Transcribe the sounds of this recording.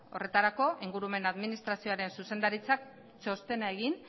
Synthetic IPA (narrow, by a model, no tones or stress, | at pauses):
o̞re̞t̪aɾako̞ʔiŋɡuɾume̞naðminist̪ɾasio̞aɾe̞nsuse̞nd̪aɾit͡sak̚ | t͡so̞st̪e̞nae̞ɣin